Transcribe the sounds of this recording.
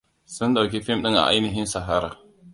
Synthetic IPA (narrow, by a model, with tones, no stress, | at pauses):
sə˦nda˨ki˦fe˦mɗə˦ŋa̰˨ʔa̰˦nə˦ɦi˦nsa˨ɦa˨ɾa˨